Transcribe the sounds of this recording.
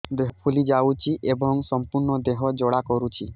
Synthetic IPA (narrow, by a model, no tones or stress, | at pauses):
d̪eɦɔpʰulid͡ʒawt͡ʃʰiʔebɔŋsɔmpuɾɳɔd̪eɦɔd͡ʒɔɽakɔɾut͡ʃʰi